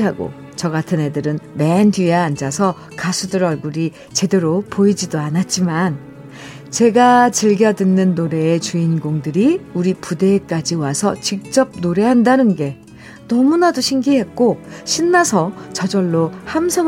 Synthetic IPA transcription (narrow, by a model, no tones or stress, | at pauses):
ɦaɡo̰ | t͡ɕʌɡatʰɯne̞dɯɾɯnmendieand͡ʑasʰʌ | kasʰudɯɾʌɭɡuɾi | t͡ɕe̞de̞ɾopoid͡ʑidoanat̚t͡ɕ͈iman | t͡ɕe̞ɡat͡ɕɯɭɡjʌdɯnːɯnːoɾe̞ːt͡ɕuinɡoŋdɯɾiuɾipude̞k͈ad͡ʑiwasʰʌ̰t͡ɕik̚t͡ɕ͈ʌp̚noɾe̞ɦandanɯnɡe̞ | nʌmunadoɕʰiŋɡiɦe̞t̚k͈oɕʰinːasʰʌt͡ɕʌd͡ʑʌɭːohamsʰʌ